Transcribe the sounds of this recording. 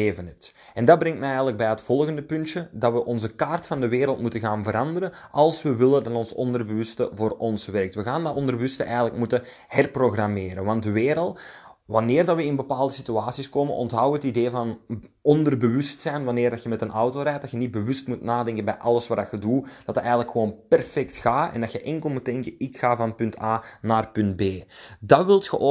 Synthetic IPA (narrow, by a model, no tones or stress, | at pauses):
eːvənət | ɛndɑdbɾɛŋtmɛɛjɣələɡ̚bɛjətfɔlˠɣəndəpʏntʃədɑtʋəʔɔnzəkaːrtfɑndəʋeːɾəlˠtmutənɣaːnvəɾɑndəɾənʔɑlˠsʋəʋɪlədɑtɔnsɔ̰ndərbəʋʏstə̰voːrɔnsʋɛrək̚tʋəɣaːnaɔndərbəʋʏstəʔɛjɣələkmutə | hɛrproɣrameːɾənʋɑntdəʋeːɾəlˠtʋɑnɪːrdɑʋəɪnbəpaːlˠdəsityaːsiskoːmənʔɔ̰ntɦɑwəɦətideːvɑnɔndərbəʋʏstsɛjnʋɑnɪːrdɑtxəmɛtənɑwtoːɾɛːt̚dɑtxjənid̚bəʋʏstmutnaːdɛŋkənbɛjʔɑlˠəsʋaːdɑtxədud̥ɑtətɛjɣənləkxəʋoːnpɛrfɛktxaːɛ̰ndɑtxəʔɛŋkəlˠmut̚dɛŋkəɪkxaːvɑnpɵntaːnaːrpɵnt̚beːdɑʋɪlˠtxəʔo